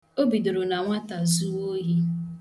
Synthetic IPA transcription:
o˦bi˨do˨ɾo˨na˨ŋʷa˦ta˨zu˦o˦ɦi˦

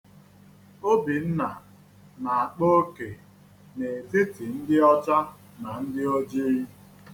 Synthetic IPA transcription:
o˦bi˨n̩˦na˨ | na˨a˨k͡po˦ke˨ | ne˨zi˦ti˨n̩˦dɪ˦ɔ˦t͡ʃa˦ | na˨n̩˦dɪ˦o˦d͡ʒi˦i˦

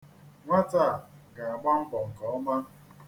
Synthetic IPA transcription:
ŋʷa˦ta˦˨ɡa˨a˨ɡ͡ba˦m̩˦bɔ˨ŋ̩˨kɔ˨ɔ˦ma˦

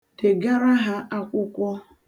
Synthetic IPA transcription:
te˨ɡa˦ɾa˦ɦa˦a˦kʷʊ˦kʷɔ˦

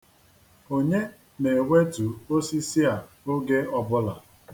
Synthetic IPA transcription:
o˨ɲe˦ | ne˨wʷe˦tu˨o˦si˦si˦a˨ | o˦ɡe˦ɔ˦bʊ˦la˨

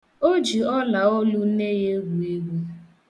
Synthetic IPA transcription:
o˦d͡ʒi˨ɔ˦la˨ɔ˦lʊ˦ne˦je˦ɡu˨e˦ɡu˦

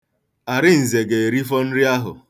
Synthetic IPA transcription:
a˨ɾɪ˦n̩˨ze˨ɡe˨ɾi˦fɔ˦n̩˦ɾɪ˦a˦ɦʊ̰˨

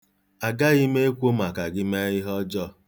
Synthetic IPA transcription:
a˨ɡa˦ɣi˦me˦e˦kʷo˦ma˨ka˨ɡɪ˦me˦ɪ˦ɦɔ˦d͡ʒɔ˦˨

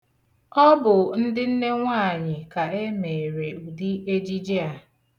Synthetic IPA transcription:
ɔ˦bʊ˨n̩˦dɪ˦n̩˦ne˦ŋʷa˦˨ɲɪ˨ka˨e˦me˨ɾe˨u˨di˦e˦d͡ʒi˦d͡ʒi˦a˨

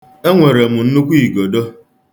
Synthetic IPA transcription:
e˦ŋʷe˨ɾe˨mʊ˨n̩˦nu˦kʷi˦i˨ɡo˨do˦

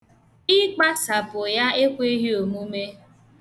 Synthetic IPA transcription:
ɪ˦k͡pa˦sa˨pʊ˨ja˦e˦kʷe˦ɦi˦o˨mu˦me˦

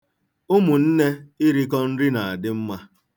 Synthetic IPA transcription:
ʊ˦mʊ˨n̩˦ne˦ɪ˦ɾi˦k̬ɔ˦n̩˦ɾi˦na˨a˨dɪ˦m̩˦ma˦

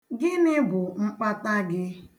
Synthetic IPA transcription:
ɡɪ˦nɪ˦bʊ˨ŋ͡m̩˦k͡pa˦ta˦ɡɪ˦

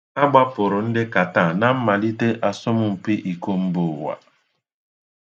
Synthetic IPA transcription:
a˦ɡ͡ba˦pʊ˨ɾʊ˨n̩˦dɪ˦ka˨ta˦˨na˨m̩˦ma˨li˦te˦ʔa˨sʊ˦mʊ˦m̩˨pɪ˦ʔi˨ko˦m̩˦bʊ˦˨wa̰˨

